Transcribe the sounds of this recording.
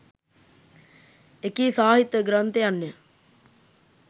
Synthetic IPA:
ekiːsaːɦit̪ːəɡɾant̪ejanːe

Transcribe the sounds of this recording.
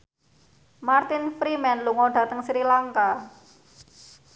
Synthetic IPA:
mart̪ɪnfɾimɛnluŋɔɖ̥ä̤t̪əŋsɾilaŋka

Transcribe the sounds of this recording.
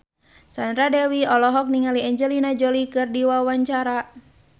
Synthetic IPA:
sand̪ɾadɛwiɔlɔɦɔk̚niŋaliɛɲd͡ʒɛlinad͡ʒɔlikɨrdiwawaɲt͡ʃaɾa

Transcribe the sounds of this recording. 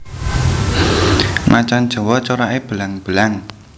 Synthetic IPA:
mat͡ʃand̥ʒ̥ɔ̤wɔt͡ʃoɾaʔeb̥əlaŋb̥əlaŋ

